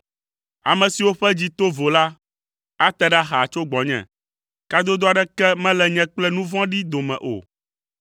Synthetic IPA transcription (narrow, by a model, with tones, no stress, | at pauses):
a˨mɛ̃˨si˨wo˦ɸɛ˦d͡ʑi˦t̪o˦vo˨la˦ | a˦t̪ɛ˨ɖɛ˦a˦ɦa˨t͡ʃo˦ɡ͡bɔ̃˨ɲɛ̰̃˨ | ka˦d̪o˦d̪o˦a˨ɖɛ˦kɛ˦mɛ̃˦lɛ˨ɲɛ̃˦k͡plɛ˦nũ˦vɔ̃˦ɖi˦d̪o˨mɛ̰̃˨ʔo̰˨